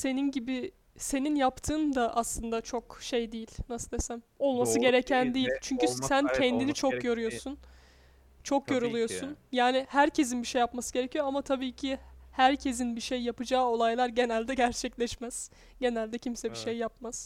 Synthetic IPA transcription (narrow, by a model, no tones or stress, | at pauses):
se̞ninɟibi | se̞ninjapt̪ʰɯːnd̪aʔaslˠɯnd̪at͡ʃʰo̞kʃejd̪ejilʲnasɯd̪esæm | o̞lˠmasɯɟe̞ɾecʰænd̪ejilʲt͡ʃʰyɲcysæncʰɛnd̪init͡ʃʰo̞kjo̞ɾyjo̞ɾsun | t͡ʃʰo̞kjo̞ɾulˠujo̞sunjaːnɪhæɾcʰe̞z̬inbiʃejːapmasɯ̥ɟe̞ɾecʰijoamat̪ʰabiːcʰihæɾcʰe̞zinbiʃejːapɯd͡ʒaːo̞lˠajlˠaɾɟe̞nælʲd̪ɛɟæɾt͡ʃʰɛclʲɛʃmæz̥ | ɟe̞nælʲd̪ɛcʰimsɛbiʃejːapmaz̥